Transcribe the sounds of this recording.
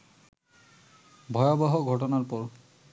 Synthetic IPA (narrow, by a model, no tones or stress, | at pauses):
bʱɔjɔbɔɦɔɡʱɔt̬ɔnaɹpɔɹ